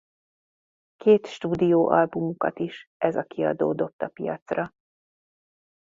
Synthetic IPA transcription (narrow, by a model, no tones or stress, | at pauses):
keːt̪ʃt̪uːd̪ijoːʔɒlbumukɒt̪iʃʔɛzɒkiɒd̪o̰ːd̪o̞pt̪ːɒpijɒ̰t̪srɒ